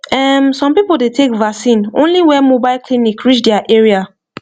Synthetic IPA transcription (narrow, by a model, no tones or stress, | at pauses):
ɛmsɔ̃mpipol̩detʰekvaksĩnõ̰nliwɛmobaɪlkʰlĩnikɹit͡ʃdɛaʔɛɹia